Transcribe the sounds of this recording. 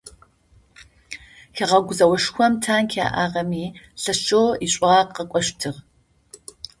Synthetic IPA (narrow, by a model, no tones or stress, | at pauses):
xɐʁɐɡʷʊzɐwɐʂxʷɔmtʰaːnkʰa̰ːʔa̰ːʁɐmiːɬɐʃoːiɕʷʼʊʁɑːqɐkʷʼɔʃtʰɨʁ